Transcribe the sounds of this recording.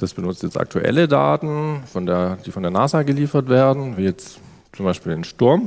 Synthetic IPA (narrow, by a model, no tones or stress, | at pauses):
d̥asb̥ənʊt͡stjɛt͡sta̰k̚tʰuʔɛ̰ləda̰ːtn̩fɔndeːɐd̥iːfɔndeːɐnaːzaːɡəliːfɐtv̥eːɐdn̩viːjɛt͡s | t͡sʊmbaɪʃpiːlnʃtʊɐm